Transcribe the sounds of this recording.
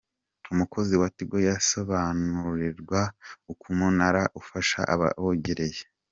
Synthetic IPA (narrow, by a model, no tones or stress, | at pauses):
umuko̞ziwatiɡo̞jaso̞βanuɾiɾɡwaukumunaɾaʔufaʃa̰ʔa̰βa̰βoɟeɾe̞je